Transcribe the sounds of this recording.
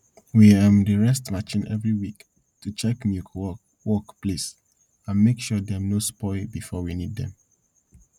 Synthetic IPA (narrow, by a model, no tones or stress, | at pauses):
wiãmdəɹɛstmat͡ʃĩnʔɛ̰vɹiwik | tut͡ʃɛkmjuk | wɔkplis | ãnmekʃudɛnospɔɪlbifɔwiniddɛ̰̃m